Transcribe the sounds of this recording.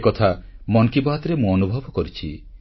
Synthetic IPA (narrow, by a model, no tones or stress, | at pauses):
kɔt̪ʰamɔnkibaɦt̪ɾemũɔnubʱɔbɔkɔɾit͡ʃʰi